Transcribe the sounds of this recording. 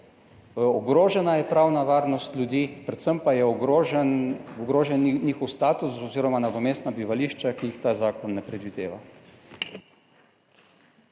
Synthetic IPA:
ɔɡɾoːʒɛnajɛpɾawnaʋaːɾnɔst̪ljud̪iːpɾɛt̪səmpajɛ | ɔɡɾoːʒɛnnixɔwst̪aːt̪usɔziːɾɔmanad̪ɔmeːst̪nabiʋaliːʃt͡ʃakijixt̪aːzaːkɔnːɛpɾɛd̪ʋid̪ḛːʋa̰

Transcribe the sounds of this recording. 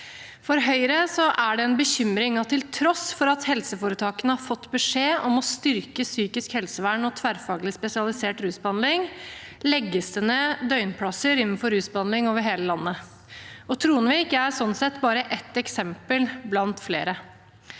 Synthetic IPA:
fɔɾɦœʏɾəsɔʔæɖɛɛnbəçʏmɾɪŋɑt̪ʰːɪlt̪ʰɾɔsfɔɾɑt̪hɛlsəfoːɾət̪ʰɑːkənəhɑɾfɔt̪ːbəʂeːɔmɔst̪ʏɾkəsyːkɪskhɛlsəʋæːɳɔt̪ʰʋæɾfɑːɡəlɪspɛsɪɑlɪseːʈɾʉːsbɑnlɪŋlɛɡːəst̪ənəd̪œʏnpʰlɑsəɾɪnn̩fɔɾʉːsbɑnlɪŋoːʋəɾɦeːləlɑnːə | ɔt̪ʰɾuːənʋɪɪkːəæɾsɔnsɛt̪ːbɑːɾəʔɛt̪ːɛksɛmpəlblɑnt̪flḛːɾə

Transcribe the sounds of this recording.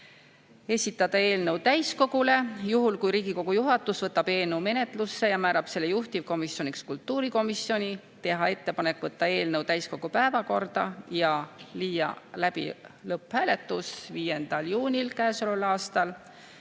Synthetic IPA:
e̞sʲit̪ːˑɑd̪̥ɑe̞ːlnɤwt̪æjsko̞ɡ̥ule̞juɦulkujɾiːɡ̥iko̞ɡ̥ujuɦɑt̪ːˑusvɤt̪ːˑɑb̥e̞ːlnəwme̞ne̞t̪lusːe̞jɑmæːɾɑb̥se̞lːe̞juht̪ivko̞misjo̞nʲikskult̪ːuːɾiko̞misjo̞nʲi | t̪e̞ɦɑe̞t̪ːe̞pɑne̞kːˑvɤt̪ːɑe̞ːlnɤwt̪æjsko̞ɡ̥upæevɑko̞rd̪̥ɑjɑliːjɑ̰læb̥ḭlɤpːhæːle̞t̪ːˑusviːje̞nd̪̥ɑljuːnʲilkæːso̞lolɑːst̪ɑl

